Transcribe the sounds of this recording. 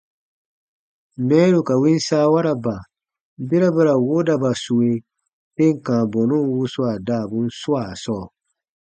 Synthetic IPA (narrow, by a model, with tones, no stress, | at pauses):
mɛ̃ː˦ɾu˨ka˨wĩ˦n˦saː˦wa˦ɾa˨ba˨ | be˦ɾa˦ba˦ɾa˨wo˦da˨ba˨su˨we˧ | be˦ŋ̩˨kãː˨bɔ˨nũ˦n˦wu˦su˦a˨daː˦˨bũ˦n̩˦su˦a˨sɔː˦˨